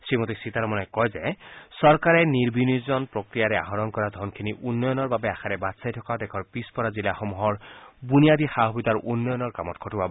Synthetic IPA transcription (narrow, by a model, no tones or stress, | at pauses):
sɹimot̪isit̪aɾɔmɔnekɔjzesɔɾkaɾeniɾbʱinizɔnpɾɔkɾijaɾɛa̰ɦɔɾɔnkɔɾad̪ʱɔnkʰiniʔunːɔjɔnɔɹbabeaxʰaɾɛbat̪sajt̪ʰɔkad̪ɛkʰɔɹpispɔɾazilaxɔmuɦɔɹbunijad̪ixaɦɔbit̪aɾunːɔjɔnɔɹkamɔtkʰɔtuba